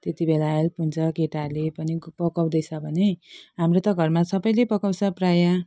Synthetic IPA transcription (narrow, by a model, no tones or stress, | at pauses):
t̪et̪ibelaelpunt͡sʌkeʈarlepʌnipʌkaw̃d̪ʌjt͡sʰʌbʱʌneɦamrot̪ʌɡʱʌrmasʌbʌjlepʌkawsʰʌpraja